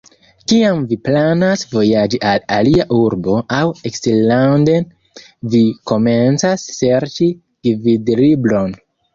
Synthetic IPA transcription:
kiamviplanasvo̞jad͡ʒiʔalaliaʔuɾbo̞awekselːanden | viko̞ment͡sasːe̞ɾt͡ʃi | ɡividɾiblo̞n

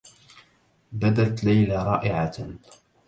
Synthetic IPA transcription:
bad̪at̪lajlaɾˤɑ̰ːʔɪʕa

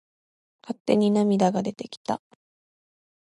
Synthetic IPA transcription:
kat̪ːe̞̰ɲ̟inamʲid̪aɡad̪e̞t̪e̞kʲi̥t̪a̰

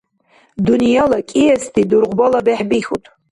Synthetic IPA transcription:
dunijalakʲʼijastʰidurʁʷbalabeħbiχʲutʼ

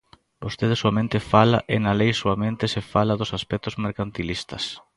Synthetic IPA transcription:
bost̪eð̞ɪsuamẽnt̪ɪfala̰ʔɪnɐlejsuamẽnt̪ɪsefalɐðʊsaspɛk̚t̪ʊzmeɾkant̪ilist̪ɐs

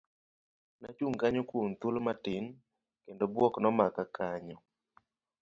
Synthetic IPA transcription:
na̰t͡ʃuŋkaɲɔkwont̪ulmatɪn | kendobwɔknɔmakakʰaɲɔ

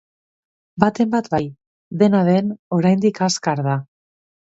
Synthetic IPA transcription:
bat̪e̞mbat̪baj | ðe̞naðe̞no̞ɾajnd̪ikaskaɾða

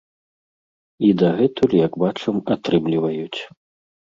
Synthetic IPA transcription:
id̪ɐɣɛt̪ulʲijɐɡbat͡ʂɐmat̪ɾɨmlʲivɐjut͡sʲ

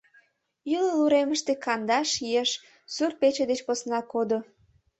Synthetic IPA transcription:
yləluɾeməʃt̪ekɑnd̪ɑʃieʃ | surpet͡ɕed̪et͡ɕposnɑkod̪o

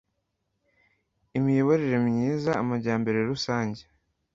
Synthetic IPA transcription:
imijoβoɾeɾe̞mɲiːzaːmaɾɟaːmbe̞ɾe̞ɾusaːɲɟe

